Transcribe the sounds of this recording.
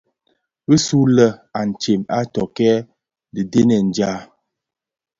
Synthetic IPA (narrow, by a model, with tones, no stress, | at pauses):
ɣə˦su˦lə˦a˨n̩˨t͡ʃe˨ma˦tɔ˨kɛ˦ | də˨de˦nɛ˨n˨d͡ʒa˦